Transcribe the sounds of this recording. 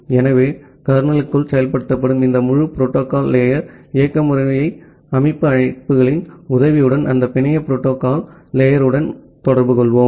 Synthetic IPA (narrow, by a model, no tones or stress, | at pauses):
ɛnɐʋeː | kɐɐɾɯnɐlɯkːɯɭsɛjɐlpɐɽɯt̪ːɐp̬ːɐɽɯmɪnd̪ɐmʊɻɯpɪɾoːʈːoːkaːlːeːjɐɾɪjɐkːɐmɯɾɐɐjɐɪ | ɐmɐɪpːɯɐɻɐɪpːɯɣɐɭɪnʊðɐʋɪjɯɽɐnɐ̰nd̪ɐpɪɳɪjɐpɪɾoːʈːoːkaːlːeːjɐɾɯɽɐn | t̪ɔɽɐɾbɯkɔɭʋoːm